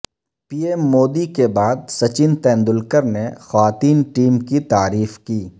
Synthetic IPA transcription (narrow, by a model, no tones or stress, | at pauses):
piːemːoːd̪ikebaːd̪̚sɐt͡ʃɪnt̪ɛ̃ːnd̪ʊlkəɾnexʋaːt̪iːnʈiːmkit̪aːɾiːfkiː